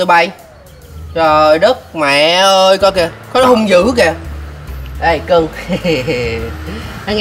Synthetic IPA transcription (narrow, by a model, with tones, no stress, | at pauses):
ə˧˩ɓa˧j | zo˨˩jɗə˦˥k̚mɛ̰˧˨ʔəː˧jkɔ˨˧˦kɛː˧kɔ˨˦ɗhʊ˧ŋ͡mzɨ̰˧˥kɛː˧˩ | ʔə˧˩jkə˧ŋ | nː˧˨˦ŋ